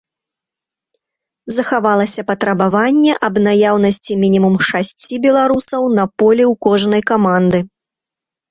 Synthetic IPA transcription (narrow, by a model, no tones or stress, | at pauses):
zɐxavalˠɐsʲɐpɐt̪ɾɐbavanʲːɛʔɐbnajawnɐsʲt͡sʲimʲinʲimumʂasʲt͡sʲibʲɛlˠaɾusɐwnɐpɔlʲiwkɔʐnɐjkamand̪ɨ